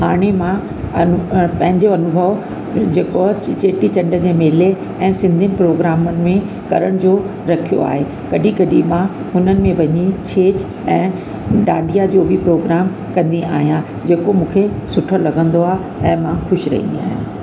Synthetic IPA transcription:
ɦaːɽ̃emã | ɐnʊpɐ̃ɦɪ̃ɲd͡ʑoɐnʊbʱəʋ | d͡ʑeːkot͡ɕt͡ɕeːʈit͡ɕɐ̃ɳɖəd͡ʑeːmeːle | ɛ̃ːsɪ̃nd̪ʱiənɪ̆pɾoːɡɾaːmənɪ̆mẽ | kɐɾəɽ̃d͡ʑoː | ɾɐkʰijo̰a̰ːɦe | kɐɗikɐɗimã | ɦʊnənɪ̆mẽʋɐɲit͡ɕʰeːt͡ɕ | ɛ̃ː | ɗaːɖʱijad͡ʑoːbipɾoːɡɾaːm | kɐ̃nd̪ia̰ːɦijã | d͡ʑeːkomũːkʰesʊʈʰəlɐɡʱə̃nd̪oaːɦe | ɛ̃ːmãxʊʃɾɐ̰ɦḭ̃nd̪ḭa̰ːɦjã

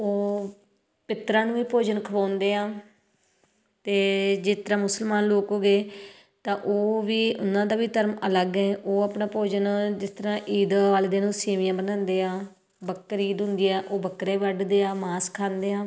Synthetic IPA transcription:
oː | pɪt̪ɾãːnũːʋiːpoːd͡ʒənkʰəʋãːnd̪eːãː | t̪eːd͡ʒeːt̪əɾãːmʊsəlmaːnloːkɦoːɡeː | t̪ãːʔoːʋiːʊnãːd̪aːʋiːt̪əɾmələɡɛ̃ːʔoːapnaːpoːd͡ʒənd͡ʒɪst̪əɾãːʔiːd̪ʋaːld̪eːnũːseːʋɪjãːbənãːnd̪eːaː | bəkːəɾiːd̪ɦʊ̃nd̪iːɛːʔoːbəkːɾeːʋəɖd̪eːaːmaːskʰãːnd̪eːãː

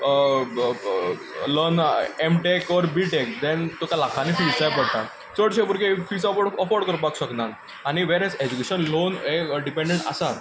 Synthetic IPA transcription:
lənemʈekɔɾbiʈek̚d̪ɛnt̪okalakʰãnifilt͡sajpəɽʈ̪a | t͡səɽɕepuɾkʰefisaɔəfɔɾɖkəɾpakɕəknan | añiʋeɾɛd͡zed͡ʑukeɕənlonɦeɖipẽɳɖẽɳʈa̰sat̪

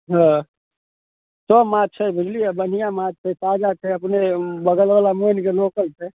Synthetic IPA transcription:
ɦə̃ | somat͡ʃʰəbʱid͡ʒliabən̤ijamad͡ʒ̚t͡ʃʰɛsad͡ʒat͡ʃʰɛəpnebəɡəlʋalamonkelokəlt͡ʃʰɛ

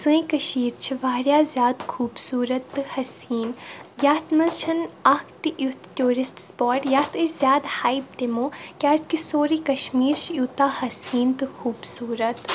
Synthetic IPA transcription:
sɨĩkɐʃiːɾt͡ʃʰiʋaːɾʲjaːzjaːd̪xʰuːbsuːɾɐt̪ːɨhɐsiːnjaːt̪mɐzt͡ʃʰɐnɐkʰt̪ɨʔjut̪tʲuːɾɪsʈspɔːʈjaːt̪ɨzʲjaːd̪haːib̚d̪emõːkʲaːskisoːɾiːkɐʃmiːɾt͡ʃʰjuːt̪aːhɐsiːnt̪ɨxuːbsuːɾɐt̪

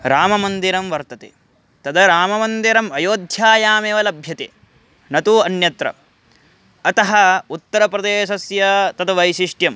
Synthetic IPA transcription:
ɾaːmɐmɐnd̪iɾɐmʋɐɾt̪ɐt̪ḛː | t̪ɐd̪ɐɾaːmɐmɐnd̪iɾɐmɐjoːd̪ʱjaːjaːmeːʋɐlɐbʱjɐt̪ḛː | nɐt̪uɐnjɐt̪ɾɐ̰ | ɐt̪ɐɦɐut̪ːɐɾɐpɾɐd̪eːʃɐsjɐt̪ɐt̪ʰɐʋɐjʃiʂʈjɐm

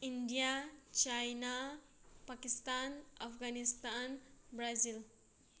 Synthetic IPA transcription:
indijat͡ʃajna | pakistanapʰɡanistanbɾazil

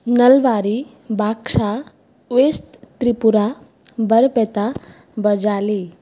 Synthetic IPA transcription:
nəlʋaɾi | bʱakʂa | ʋest̪t̪ɾipuɾa | bəɾpɛt̪a | bəd͡ʒali

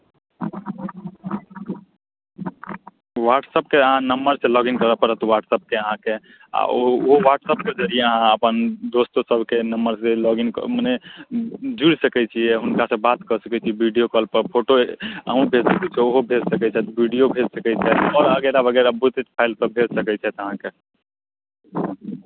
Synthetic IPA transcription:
waʈsəp̚keəɦãnəmbəɾsẽlɔɡinkəɾəpəɾət̪waʈsəp̚keəɦãke | a̰oːɦowaʈsəp̚ked͡ʒəɾijeəɦãəpənd̪ost̪osəbʱkenəmbəɾselɔɡinkməne | d͡ʒuɽsəkɛt͡ʃʰijɛɦunkasəbat̪kəsəkɛt͡ʃʰiɛbʱiɖijokəlpəɾpʰoʈoə̰ɦũbʱed͡ʒsəkɛt͡ʃʰɛoɦobʱed͡ʒsəkɛt͡ʃʰɛt̪bʱiɖijobʱed͡ʒsəkɛt͡ʃʰɛɔːɾəɡɛɾabəɡɛɾabut̪et͡ʃpʰaɪlsəbbʱed͡ʒsəkɛt͡ʃʰɛt̪əɦãke

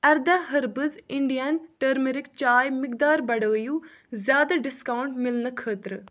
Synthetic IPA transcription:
ɛɾd̪aːɦəɾbəzɪɳɖijanʈəɾmeɾɪkt͡ʃaːjmɪkd̪aːɾbɐɽəːjuː | zjaːd̪aɖɪskawʊɳʈmɪlnəkʰəːt̪ɾ

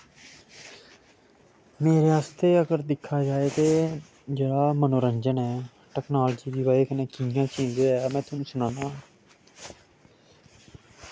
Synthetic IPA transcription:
meːɾeːaːst̪eːəɡəɾd̪ɪkʰːaːd͡ʒaːeːt̪eː | d͡ʒeːɽaːmənoːɾəɲd͡ʒənɛː | ʈɛːknaːlːd͡ʒiːd̪iːʋaːeːkəneːkijãːt͡ʃĩːd͡ʒeaːmɛ̃ːt̪ʊnũːsʊnãːnãːãː

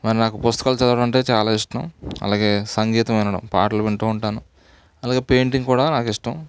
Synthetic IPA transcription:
mɐɾinaːkupust̪ɐ̥kaːlt͡ʃɐd̪ɐʋɐɽɐmɐɳʈe̞ːt͡ʃaːlaːiʂʈɐmɐ̰laːɡe̞ːsɐŋɡiːt̪ɐmɐjnɐɽɐ̰mpa̰ːʈɐluʋeɳʈuːuɳʈaːnu | ɐlaːɡe̞ːpe̞ːjɳʈiŋɡkuːɽaːnaːkiʂʈɐm

